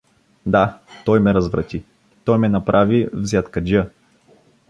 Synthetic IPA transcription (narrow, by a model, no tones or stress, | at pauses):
d̪at̪ɔjmɛɾɐzvɾɐ̰t̪ʲi | t̪ɔjmɛnɐpɾʔavivzʲjat̪kɐd͡ʒə